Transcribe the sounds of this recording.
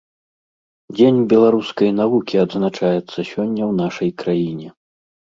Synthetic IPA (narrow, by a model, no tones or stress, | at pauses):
d͡zʲenʲbʲɛlˠaɾuskɐjnavukʲiɐd̪znat͡ʂajɛt̪sːɐsʲɔnʲːɐwnaʂɐjkɾajinʲɛ